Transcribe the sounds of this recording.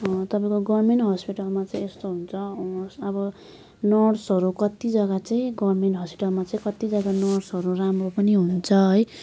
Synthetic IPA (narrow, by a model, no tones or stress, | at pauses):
t̪ʌpaĩkoɡʌrmenʈɦʌspiʈʌlmat͡sãĩest̪oɦunt͡sʰʌːbʌ | nʌrsʌɾukʌt̪id͡zʌɡat͡saĩɡʌrmenʈɦʌspi̥ʈʌlmat͡saĩkʌt̪id͡zʌɡanʌrɽsɦʌɾuramropʌniɦunt͡sʰʌɦʌj